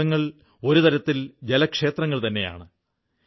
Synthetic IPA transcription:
ɐŋːɐɭ | o̞ɾut̪ɐɾɐt̪ːild͡ʑe̞lɐkʂe̞ːt̪rɐŋːɐɭt̪ɐnːe̞ja̰ːɳɨ

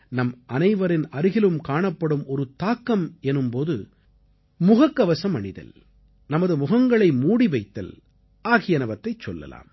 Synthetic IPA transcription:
nɐmɐnɐɪʋɐɾɪnɐɾɯɣɪlɯmkaːɳɐpːɐɽɯmɔɾɯt̪aːkːɐmɛnɯmpoːðɯ̰ | mʊɣɐkːɐʋɐsɐmɐɳɪðɐ̰l | nɐmɐðɯmʊɣɐŋɡɐɭɐɪmuːɽiʋɐɪt̪ːɐ̰l | ʔaːɣɪjɐnɐʋɐt̪ːɐɪt͡ʃːɔlːɐ̰la̰ːm

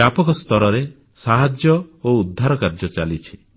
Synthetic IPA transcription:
apɔkɔst̪ɔɾɔɾe | saɦad͡ʒjɔoud̪ʱːaɾɔkaɾd͡ʒɔt͡ʃalit͡ʃʰi̥

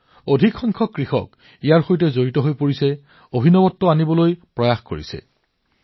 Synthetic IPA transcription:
odʱikxɔŋkʰɔkɹixɔ̰k | ijaɹxojtɛzoɹitɔɦojpoɹisɛ | obʱinɔbɔtːɔanibɔlojpɹɔjaxkoɹḭsɛ̰

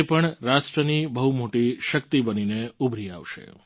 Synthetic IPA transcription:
pəɳɾaʃʈɾənibəɦumoʈiʃək̚t̪ibənineubʱɾiaʋʃḛ

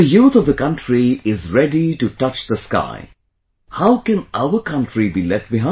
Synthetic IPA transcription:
əjuːt̪ʌvðəkʌ̃ntɹiɪzɹɛɖiʈutʌt͡ʃðəska̰ɪ | haʊkɨ̃nʔaʊəkʰʌ̃ntʰɾibilɛfʈ̚bɪɦã

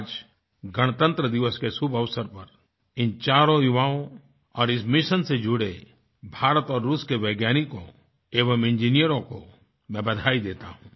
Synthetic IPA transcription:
d͡ʒ | ɡəɽ̃t̪ə̃nt̪ɾəd̪ɪʋəskesʊbʱəʋsəɾpɐɾ | ɪnt͡ʃaːɾõjʊʋaːõ | ɔːɾɪsmɪʃənsed͡ʒʊɽe | bʱaːɾət̪ɔːɾːuːskeʋɛːɡjaːniko | eːʋəmɪ̃nd͡ʒiːnijəɾõko | mɛ̃bɐd̪ʱaːid̪eːt̪a̰ɦũː

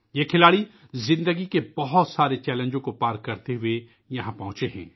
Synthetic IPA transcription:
jekʰɪlaːɽi | zɪ̃nd̪əɡikebɐɦʊt̪saːɾet͡ʃɛːlə̃nd͡ʒõkopaːɾkːɐɾt̪eɦʊe | jɐɦãpɐɦʊ̃t͡ʃeɦɛ̰̃ː

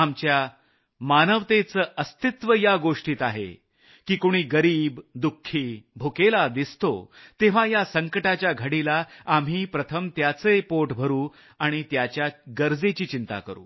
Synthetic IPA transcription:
amt͡ɕja | manəʋt̪et͡səːʔəst̪it̪ʋəjaɡoʂʈiːt̪aɦḛ | kiːkoɽ̃iːɡəɾiːbd̪ukʰːiːbʱukelad̪ist̪o̰t̪eʋ̤ajasəŋkəʈat͡ɕjaɡʱəɽilaam̤iːpɾət̪ʰəmt̪jat͡səepoʈbʱəɾuː | aɽ̃it̪jat͡ɕjaɡəɾd͡zet͡ɕiːt͡ɕint̪a̰kəɾṵː

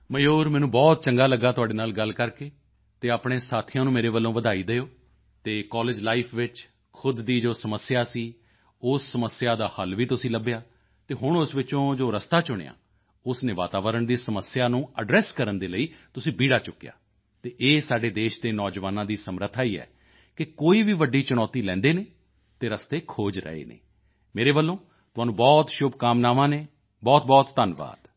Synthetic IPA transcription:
məjoːɾmɛ̃ːnũːbɔːt̪̚t͡ʃəŋɡaːləɡːaːt̪ʊaːɖeːnaːlɡəlkəɾkeː | t̪eːaːpɽ̃eːsaːt̪ʰijãːnũːmeːɾeːʋəlːõːʋəd̪aːiːd̪eːoː | t̪eːkɔːlɪːd͡ʒlaːipʰʋɪt͡ʃ | kʰʊd̪ːiːd͡ʒoːsəməsɪjaːsiː | ʊsːəməsjaːd̪aːhəlʋiːt̪ʊsĩːləbjaː | t̪eːɦʊɳʊsʋɪt͡ʃõːd͡ʒoːɾəst̪aːt͡ʃʊɽ̃ḛja̰ː | ʊsneːʋa̰ːt̪aːʋəɾəɳd̪iːsəməsɪjaːnũːəɖɾɛːskəɾənd̪eːləiːt̪ʊsĩːbiːɽaːt͡ʃʊkːeja̰ː | t̪eːʔeːsaːɖeːd̪eːʃd̪eːnɔːd͡ʒʋaːnãːd̪iːsəmɾət̪ʰaːiːɛ̰ː | kɪkoːiːʋiːʋəɖːiːt͡ʃʊɽ̃ɔːt̪iːlɛ̃ːnd̪eːneː | t̪eːɾəst̪eːkʰoːd͡ʒɾə̰ḛːnḛː | meːɾeːbəlːõː | t̪ʊaːnũːbɔːt̪ʃʊbkaːmnaːmãːneː | bɔːt̪̚bɔːt̪ːənʋa̰ːd̪̥

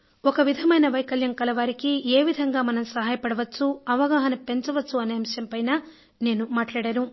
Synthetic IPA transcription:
ɔkɐʋid̪ʱɐmɐjnɐʋɐjkɐljɐŋkɐlɐʋaːɾikieːʋid̪ʱɐŋɡaːmɐnɐmsɐɦaːjɐpɐɽɐʋɐt͡ʃːuɐʋɐɡaːɦɐnɐpe̞ɲt͡ʃɐʋɐt͡ʃːuɐneːmiʂjɐmpɐjnaː | ne̞ːnumaːʈlaːɽaːnu

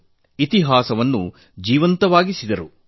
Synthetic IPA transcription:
it̪iɦaːsɐʋɐnːṵ | d͡ʒiːʋɐnt̪ɐʋaːɡisid̪ɐɾu

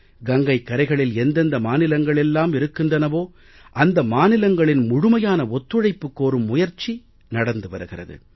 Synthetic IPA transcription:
ɡɐŋɡɐɪkːɐɾɐɪɣɐɭɪlɛnd̪ɐnd̪ɐmaːnɪlɐŋɡɐɭɛlːaːmɪɾɯkːɯndrɐnɐʋoː | ʔɐnd̪ɐmaːnɪlɐŋɡɐɭɪnmʊɻʊmɐjaːnɐɔt̪ːɯɻɐɪpːɯkːoːɾɯmːʊjɐɾt͡ʃi | nɐɽɐnd̪ɯʋɐɾɯɣɪrɐ̰ðɯ̰

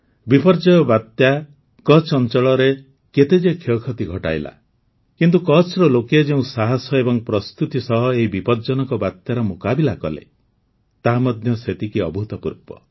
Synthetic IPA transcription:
bipɔɾd͡ʒɔjɔbat̪ja | kɔt͡ʃʰɔnt͡ʃɔɭɔɾe | ket̪ed͡ʒekʰekʰɔt̪iɡʱɔʈa̰jla̰ | kint̪̬ukɔt͡ʃʰɾɔloked͡ʒeũsaɦasɔebɔŋpɾɔst̪ut̪isɔɦɔeɦibipɔɾd͡ʒɔnɔŋkɔbat̪jaɾɔmokabilakɔlḛ | t̪aɦamɔd̪ʱjɔset̪ikiɔbʱut̪ɔpuɾpɔ̰

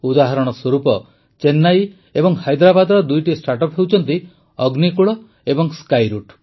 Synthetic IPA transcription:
ud̪aɦaɾɔɽ̃ɔswɔɾupɔ | t͡ʃenːaj | ebɔŋhajd̪ɾabad̪ɔɾɔd̪ujʈisʈaʈɔpɦewt͡ʃʰɔnt̪i | ɔɡnikuɭɔ | ebɔŋskajɾuʈ

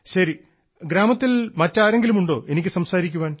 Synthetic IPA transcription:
ɕɐɾi | ɡɾaːmɐt̪ːilmɐtːaːɾe̞ŋɡilumuɳɖo̞ːʔe̞nikʲːɨsɐmsaːɾikʲːuʋaːn

